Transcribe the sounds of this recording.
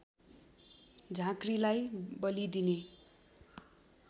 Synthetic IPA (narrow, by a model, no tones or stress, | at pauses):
d͡zʱãkrilajbʌlid̪ine